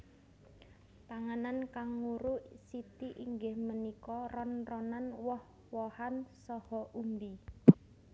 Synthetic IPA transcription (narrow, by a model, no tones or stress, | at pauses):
p̪aŋanankaŋːuɾusit̪iʔiŋɡɪhmənikɔrɔnrɔnanwɔh | wɔhansɔhɔʔumbi